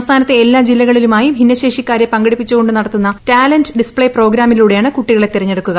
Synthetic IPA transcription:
mst̪ʰaːnɐt̪ːe̞elːaːd͡ʑilːɐɣɐɭilumaːjibʱinːɐɕeːʂikːaːɾjɐpɐŋɡɐɽipːit͡ɕːuɣo̞ɳɖɨnɐɽɐt̪ːunːɐtaːlenɖɖispɭejpro̞ːɡɾaːmiluːɽejaːɳɨkuʈːiɣɐɭe̞t̪iɾɐɲːeɽukːuɣɐ

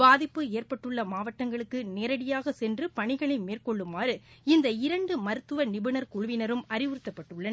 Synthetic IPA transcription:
baːðɪpːɯeːrpɐʈːɯɭːɐmaːʋɐʈːɐŋɡɐɭɯkːɯneːɾɐɽɪjaːɣɐsɛndrɯpɐɳɪɣɐɭɐɪmeːrkɔɭːɯmaːɾɯɪnd̪ɐɪɾɐɳɖɯmɐɾɯt̪ːɯʋɐnɪbɯnɐɾkʊɻʊʋɪnɐɾɯmɐɾɪʋɯɾɯt̪ːɐpːɐʈːɯɭːɐnɐ

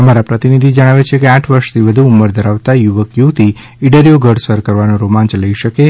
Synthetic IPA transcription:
əmaɾapɾət̪inid̪ʱid͡ʒəɽ̃aʋet͡ʃʰekeaʈʰʋəɾʃt̪ʰiʋəd̪ʱuːməɾd̪ʱəɾaʋt̪ajuʋəkjut̪i | iɖəɾijoɡʱəɽsəɾkəɾʋanõɾomãnt͡ʃləiʃəke

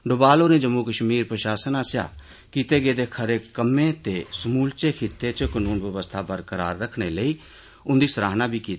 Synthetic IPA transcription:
ɖʊbaːloːnẽːd͡ʒəmːuːkəʃmiːɾpɾəʃaːsənaːsja̰ː | kiːt̪eːɡeːd̪eːkʰəɾeːkəmːẽːt̪eːsmuːlt͡ʃeːkʰɪt̪ːeːt͡ʃəkənuːnʋəʋəst̪ʰaːbəɾkəɾa̰ːɾːəkʰɽeːləiː | ʊnd̪iːsəɾaːɦnãːbiːkiːt̪ː

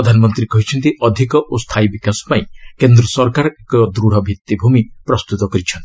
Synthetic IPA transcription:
ɾɔd̪ʱanɔmɔnt̪ɾikɔɦit͡ʃʰɔnt̪iɔd̪ʱikɔʔost̪ʰajbikasɔ̥paĩkend̪ɾɔsɔɾkaɾɔekɔd̪ɾuɽ̤ɔbʱit̪ːibʱumipɾɔst̪ut̪ɔkɔɾit͡ʃʰɔnt̪i̥

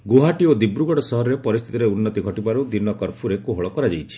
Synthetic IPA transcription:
ɡoɦaʈiod̪ibɾuɡɔɽɔsɔɦɔɾɔɾepɔɾist̪ʰi̥t̪iɾeunːɔt̪iɡʱɔʈibaɾud̪inɔkɔɾpʰuɾekuɦɔɭɔkɔɾad͡ʒajt͡ʃʰi̥

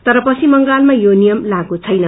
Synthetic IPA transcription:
t̪ʌɾʌpʌt͡sʰimʌŋɡalmajonijʌmlaɡut͡sʰʌjnʌ

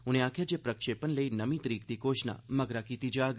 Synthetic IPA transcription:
ũneãkʰjad͡ʒepɾəkʃepənləinəmit̪ɾiɡt̪ikoʃna̰məɡɾakit̪id͡ʒaɡ

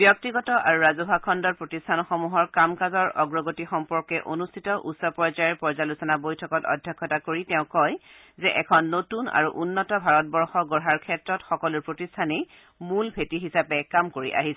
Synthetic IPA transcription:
b̥jɔk̚tiɡɔtɔʔaɹuɹazɔbʱakʰɔndɔɹpɹotistʰanɔxɔmuɦɔɹkamkazɔɹɔɡɹɔɡotixɔmpɔɹkɛʔonustʰitɔʔṵtsɔpɔɹzajɛɹpɔɹzalusɔnabojtʰɔkɔtɔ̰dʱjɔkʰːɔtakoɹitɛʊ̃kɔj | zɛʔɛkʰɔnːotuna̰ɹuʔunːɔtɔbʱaɹɔt̚bɔɹxɔɡɔɹɦaɹkʰɛtɹɔtxɔkɔluɹpɹotistʰanej | mulbʱetiɦisapɛkamkoɹḭʔa̰ɦisɛ

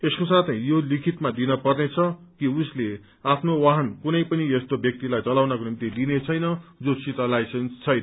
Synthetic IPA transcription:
eskosat̪ʰejolikʰit̪mad̪inʌpʌrnet͡sʰʌkiusle | apʰnowaɦʌnkunʌjpʌniest̪objʌk̚t̪ilajt͡sʌlawnʌkonimt̪id̪inet͡sʰʌjnʌd͡zosit̪ʌlajsenst͡sʰʌjnʌ

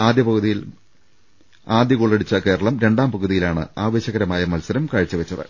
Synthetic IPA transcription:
aːd̪jɐpɐɣuðijil | aːd̪jɐɣuɭːeɽit͡ɕːɐke̞ːɾɐɭɐmɾe̞ɳɖaːmpɐɣuðijilaːɳɨ̰aːʋe̞ːɕɐɣɐɾɐmaːjɐmɐlsɐɾɐmkaːɻit͡ɕːɨʋɐt͡ɕːɐðɨ̰

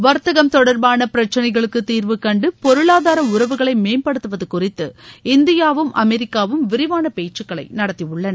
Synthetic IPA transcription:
ʋɐɾt̪ɐɣɐmt̪ɔɽɐɾbaːnɐpɪɾɐt͡ʃːɐnɐɪɣɐɭɯkːɯt̪ːiːɾʋɯkːɐɳɖɯpɔɾɯɭaːðaːɾɐʊɾɐʋɯɣɐɭɐɪmeːnpɐɽɯt̪ːɯʋɐðɯkʊrɪt̪ːɯɪnd̪ɪjaːʋɯmʔɐmɛɾɪkːaːʋɯmʋɪɾɪʋaːnɐpeːt͡ʃːɯkːɐɭɐɪnɐɽɐt̪ːiʊɭːɐnɐ

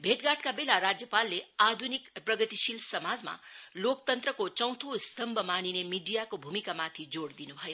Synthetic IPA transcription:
bʱeʈɡaʈkabelaɾad͡zjəpalːead̪ʱunikpɾʌɡət̪iʃilsəmad͡zma̰lokt̪ənt̪ɾəkot͡ʃʌ̃w̃t̪ʰust̪ʰəmbʱəmaninemiɖijakobʱumikamat̪ʰid͡zoɽd̪inubʱʌjo

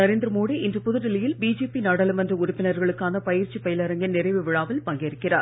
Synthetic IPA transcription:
nɐɾeːnd̪ɾɐmoːɽiɪndrɯpʊðɯɾɪlɐjɪlbiːd͡ʒeːpinaːɽɐlɐmɐndrɐʊɾʊpːɪnɐɾɣɐɭɯkːaːnɐpɐjɪɾt͡ʃːipɐjɪlɐɾɐŋɡɪnnɪrɐɪʋɯʋɪɻaːʋɪlpɐŋɡeːɾɯkːɪra̰ːɾ

